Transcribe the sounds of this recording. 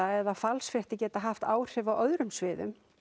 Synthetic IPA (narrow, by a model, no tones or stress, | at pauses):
aɛðafalsfɾɛht̪ɪcɛːt̪aɦaft̪aːwr̥ɪvawœðɾʏmsvɪːðʏ̰m